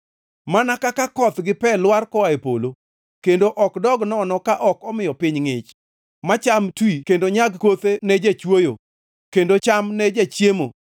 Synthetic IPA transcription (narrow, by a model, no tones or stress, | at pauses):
manakakakɔt̪ɡɪpɛlwarkɔaepo̰lo | kendoʔɔkdɔɡnɔnɔkaʔɔkɔmɪjɔpɪɲŋɪt͡ʃ | mat͡ʃamtwikendoɲaɡkot̪enɛd͡ʒet͡ʃwojo̰ | kendot͡ʃamnɛd͡ʒat͡ʃjemo̰